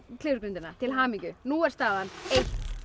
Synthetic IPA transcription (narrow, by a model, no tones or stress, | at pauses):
k̪ʰɪːðʏɾkɾʏnt̪ɪnat̪ʰɪlɦaːmiŋcʏnuɛɾ̥st̪aːðanejt̪